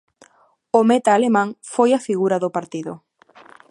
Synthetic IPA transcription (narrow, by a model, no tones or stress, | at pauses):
ʊmet̪aːlemãŋfojɐfiɣuɾɐðʊpaɾt̪iðʊ̰